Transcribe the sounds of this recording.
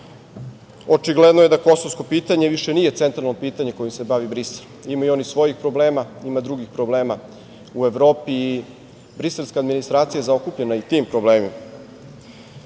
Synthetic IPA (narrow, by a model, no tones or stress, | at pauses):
o̞t͡ʃiɡled̪noje̞d̪ako̞sovsko̞piːt̪aɲe̞ʋiʃenije̞t̪e̞nt̪ɾalnopiːt̪aɲe̞ko̞jimse̞baʋibɾisel | imajuo̞nixsʋo̞jixpɾo̞bleːmaimad̪ɾuɡixpɾo̞ble̞ːma | ueʋɾo̞ːpiː | bɾise̞lˠskaːd̪minist̪ɾaːt̪sijazao̞kupʎenait̪impɾobleːmima